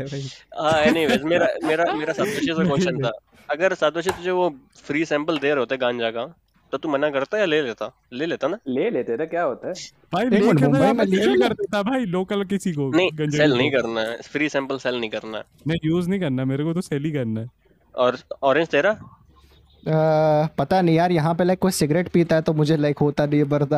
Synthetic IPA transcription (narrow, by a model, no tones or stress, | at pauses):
aːeːnĩʋesmeːɾameːɾameːɾasat̪̚ʊʃʰesekɔ̃ːʃə̃nt̪aː | ɐɡəɾsat̪ʊʃʰĩt̪ʊd͡ʒʱeʋofʰɾiːsɛ̃ːmpəld̪eːɾɦoːt̪eɛɡãːɲd͡ʒaːka | t̪ot̪uːmɐnakɐɾt̪ajaleːleːt̪aː | leːleːt̪anaːleːleːt̪enakjaːɦoːt̪aɦɛ | bʱaːiũmbaĩmẽlilkɐɾd̪et̪abʱaːiloːkəlkɪsik̬onɐɦĩɡɐ̃nd͡ʒɛlnɐɦĩkɐɾnaɦɛfɾiːsɛ̃ːmpəlsɛlnɐɦĩkɐɾnaɦɛ̰ | mɛ̃juːznɐĩkɐɾnameːɾekot̪osɛːlikɐɾnaɦɛː | ɔːɾɔːɾẽɲd͡ʒt̪eːɾa | pɐt̪anɐɦĩjaːɾjɐɦãp̬elaɪkːoːisɪɡɾeːʈpiːt̪aɦɛt̪omʊd͡ʒʱelaɪkɦoːt̪anɐibɐɾt̪aː